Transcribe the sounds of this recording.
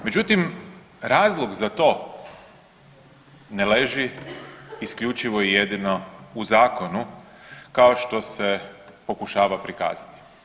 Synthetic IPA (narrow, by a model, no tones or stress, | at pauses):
me̞d͡ʒut̪im | ɾaːzlˠoɡzat̪o̞ː | neleʒi | iskʎut͡ʃiʋo̞ije̞d̪ino̞uzaːko̞nu | kao̞ʃt̪o̞se̞po̞kuʃaːʋapɾika̰ːz̥at̪i̥